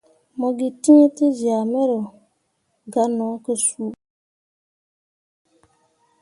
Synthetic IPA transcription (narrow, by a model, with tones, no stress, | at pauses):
mɔ˨ɡi˨ti˦ɲe˦tɨ˦za˨mɛ˦ɾʊ˨ | ɡa˨nɔ˨˦kə˦su˦